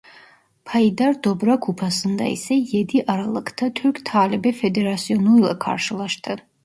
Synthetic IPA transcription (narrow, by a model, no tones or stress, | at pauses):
pʰajd̪ard̪ɔbɾakʷʰupʰasɨnd̪a̰ḭsɛjɛd̪iʔaɾalɨkʰt̪ʰat̪ʰyrkʰt̪ʰaːlibɛfɛd̪eɾasiɔnujla̰kʰa̰rʃɨlˠaʃt̪ʰɨ